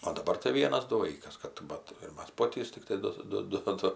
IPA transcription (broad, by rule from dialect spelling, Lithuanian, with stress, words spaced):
oː dɐˈbɐr tɐɪ ˈʋʲiɛnɐs ˈdʊ ˈʋɐɪkɐs ˈkɐt ˈbɐt ɪr ˈmɐs ˈpoːtʲiːs tʲɪkˈtɐɪ ˈdʊ ˈdʊ ˈdʊ